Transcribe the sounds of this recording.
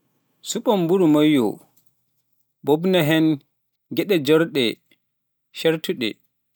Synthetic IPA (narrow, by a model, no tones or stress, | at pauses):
suɓɔmbuɾumajːɔ̰ | bobnaɦɛn | ɡɛɗɛd͡ʒɔɾɗɛ | ʃɛɾtuɗɛ̰